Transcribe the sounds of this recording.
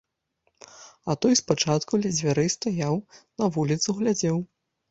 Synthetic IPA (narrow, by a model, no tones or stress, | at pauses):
ɐt̪ɔjspat͡ʂat̪kulʲɛd͡zʲvʲaɾɨst̪ajawnɐvulʲit̪suɣlʲad͡zʲɛw